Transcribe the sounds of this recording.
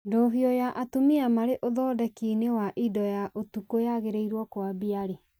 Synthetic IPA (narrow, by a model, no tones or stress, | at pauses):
doɦiɔjaʔatumiamaɾeʔoðɔːdɛkinewaʔidɔjaʔotukojaɣeɾeiɾwɔkwabiaɾe